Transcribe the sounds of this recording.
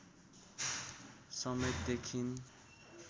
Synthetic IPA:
sʌmet̪̚d̪ekʰin

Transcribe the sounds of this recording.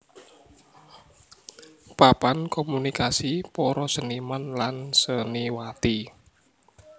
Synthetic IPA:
papankɔmunikasipɔɾɔsənimanlansəniwat̪i

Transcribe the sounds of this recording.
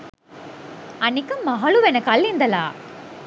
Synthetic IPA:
ɐnɪkːɯmːɐɦɐɭuʋɛnɐkːɐlːind̪ɐlaː

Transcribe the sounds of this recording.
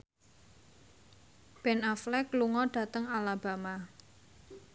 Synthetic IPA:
b̥ɛnaflɛkluŋɔɖ̥ä̤t̪əŋalab̥a̤ma

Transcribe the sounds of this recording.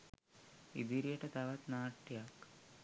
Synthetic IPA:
id̪iɾijɐʈɐt̪ɐʋɐt̪naːʈːjak

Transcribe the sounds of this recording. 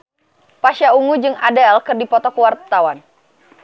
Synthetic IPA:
paʃjauŋud͡ʒɨŋadɛlkɨrdipɔt̪ɔkwart̪awan

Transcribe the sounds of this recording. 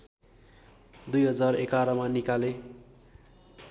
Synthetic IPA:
d̪ujɦʌd͡zarekaɾʌmanikale

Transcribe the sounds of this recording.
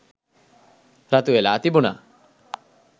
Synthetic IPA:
ɾat̪uelat̪ibuna̰

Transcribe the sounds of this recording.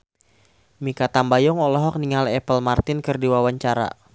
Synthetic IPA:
mikat̪ambajɔŋɔlɔɦɔk̚niŋalɛpəlmart̪ɪnkɨrdiwawaɲt͡ʃaɾa̰

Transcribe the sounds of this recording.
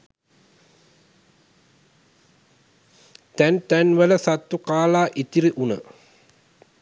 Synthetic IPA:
t̪ænt̪ænʋələsat̪ːukaːlaːʔit̪iɾiʔunə̰

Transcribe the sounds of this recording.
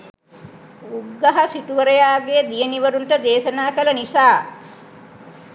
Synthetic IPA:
uɡːaɦasiʈuʋəɾəjaːɡed̪ijəniʋəɾunʈəd̪eːʃɐnaːkələnisaː

